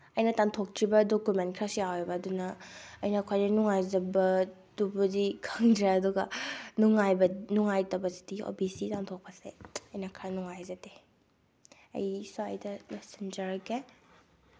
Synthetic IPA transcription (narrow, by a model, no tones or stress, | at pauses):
ɐjnɐtantʰok̚tʰɾibɐdokumentkʰɾasijawebɐːdunɐːjnɐkʰajnɐnuŋajzɐbɐdubuzikʰaŋdɾeɐduɡɐnuŋajbɐnuŋajtɐbɐzi̥dio̰bisitantʰok̚pɐsḛɐjnɐkʰɾanuŋajzɐte | ɐ̰jsua̰jdɐlesend͡ʒɐɾke